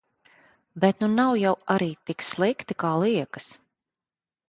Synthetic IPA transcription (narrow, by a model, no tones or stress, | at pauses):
bɛt̪nunawjawaɾiːt̪ikslˠikt̪ikaːlˠiɛkə̥s